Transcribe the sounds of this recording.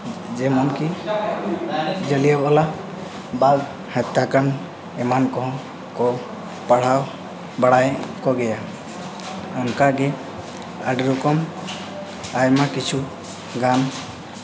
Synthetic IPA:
d͡ʒɛmɔnki | d͡ʒəlijɔbɔla | baɡ | hat̪ːakan | ɛmankɔɦɔ̃ | kɔ | paɽ̤aw | baɽajkɔɡɛja | ɔnkaɡɛ | aɖɾukɔm | ajmakit͡ʃʰu | ɡan

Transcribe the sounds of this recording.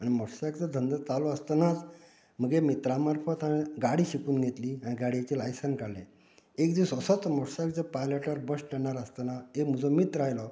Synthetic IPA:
animɔɽsakt͡səd̪ʱənd̪ət͡salɔəst̪ənat͡s | m̤əɡemit̪ɾamaɾfət̪añiɡaɽiːɕikuːnɡʱet̪liːaɽ̃iɡaɽiat͡ɕilajsənkalḛ | ekd̪isəsət͡smɔɽsak̚t͡sepajləʈaɾbəsʈɛɳ̃aɾəst̪ənaem̤ud͡zɔmit̪ɾajlɔ

